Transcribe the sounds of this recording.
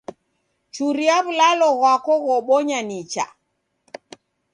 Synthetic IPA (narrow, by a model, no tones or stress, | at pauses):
t͡ʃuɾiaβulalɔɣwakɔɣɔɓɔɲanit͡ʃa̰